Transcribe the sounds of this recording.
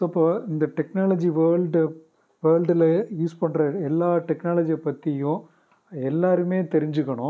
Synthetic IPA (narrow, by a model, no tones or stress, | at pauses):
soɐpːoːɪnd̪ɐʈɛknaːlɐd͡ʒiʋɐːɭɖ | ʋɐːɭɖɪljuːspɐɳːrɐɛlːaːʈɛknaːlɐd͡ʒijɐpːɐt̪ːɪjʊ̃ | ɛlːaːɾɯmeːt̪ɛɾɪɲd͡ʒɯɣːɐɳʊ̃